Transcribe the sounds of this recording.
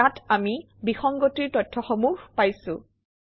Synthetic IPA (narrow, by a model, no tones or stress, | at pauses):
atami | bixɔŋɡotiɹtɔtʰːɔxɔmuxpajsʊ̰̃